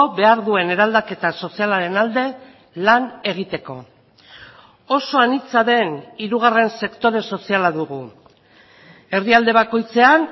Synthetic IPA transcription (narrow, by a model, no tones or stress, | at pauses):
oβe̞aɾðue̞ne̞ɾald̪ake̞t̪aso̞sialaɾe̞nald̪e̞ | lane̞ɣ̞it̪e̞ko̞̰ | oso̞anit͡saðe̞niɾuɣ̞are̞nse̞kt̪o̞ɾe̞so̞sialaðuɣ̞u | e̞riald̪e̞β̞ako̞jt͡se̞an